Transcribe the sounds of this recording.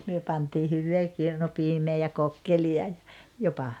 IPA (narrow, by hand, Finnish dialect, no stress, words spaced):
myø pɑntiː hyʋːeː kirnupiːmeː jɑ kokːeliɑ jɑ jopɑ